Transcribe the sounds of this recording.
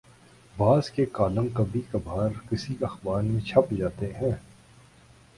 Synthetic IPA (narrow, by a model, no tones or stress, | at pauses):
baːzkekaːlə̃mkɐbʱikɐbʱaːɾkɪsiɐxbaːɾmẽt͡ʃʰɐpd͡ʒaːt̪eɦɛ̃ː